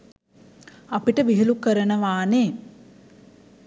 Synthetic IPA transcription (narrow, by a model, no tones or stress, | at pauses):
apiʈəʋiɦilukəɾənəʋaːneː